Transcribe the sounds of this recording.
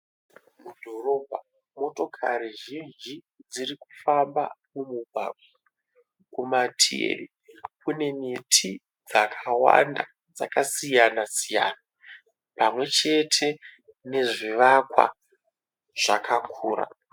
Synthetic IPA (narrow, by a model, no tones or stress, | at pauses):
mudʱo̞ro̞bʱa | mo̞to̞kʰaɾiʒind͡ʒi | d͡ziriku̥famba̰mumuɡ̚ʱa̰ɡ̚o | kumatʰiḛri | kʰune̞mitʰi | d͡zakʰawa̰nda̰ | d͡zakasijanasija̰ːna | pamwe̞t͡ʃe̞tʰe̞ | ne̞ʐiʋakwa̰ | ʐ̥akʰakʰuːɾa̰